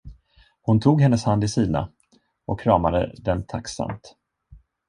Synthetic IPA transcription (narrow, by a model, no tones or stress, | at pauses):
hʊnt̪ʰuːɡhɛnːəshand̪ɪsiːd̪na̰ | ʔɔkʰɾɑːmad̪ə̰d̪ɛnt̪ʰaksa̰mt̪